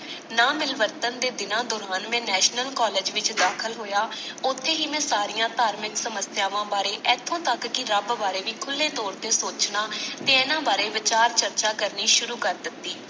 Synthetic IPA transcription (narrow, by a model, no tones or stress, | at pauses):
naːmɪlʋəɾt̪ənd̪eːd̪ɪnãːd̪oːɾaːnmɛ̃ːnɛːʃnəlkɔːleːd͡ʒʋɪt͡ʃd̪aːkʰəlɦoːjaːʊt̪ʰːeːɦiːmɛ̃ːsaːɾijãːt̪aːɾmɪksəməsjaːʋãːbaːɾeːʔɛːt̪ʰːõːt̪əkːɪɾəbbaːɾeːʋiːkʰʊlːẽːt̪ɔːɾt̪eːsoːt͡ʃnaːt̪eːɛːnãːbaːɾeːʋɪt͡ʃaːɾt͡ʃəɾt͡ʃaːkəɾniːʃʊɾuːkəɾd̪ɪt̪ːiː